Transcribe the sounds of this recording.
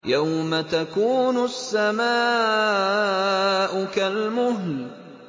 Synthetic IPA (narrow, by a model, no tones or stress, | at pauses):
jawmat̪akuːnʊsːamaː | ʔʊkalmʊɦl